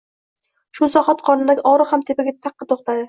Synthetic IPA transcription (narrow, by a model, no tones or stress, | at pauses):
ʃʊzaχɒt̪̚qʰɒnɪlakʲɒɾɨhamt̪ʰepaɡʲat̪ʰɑqːɨt̪ʰoχt̪ad̪ɪ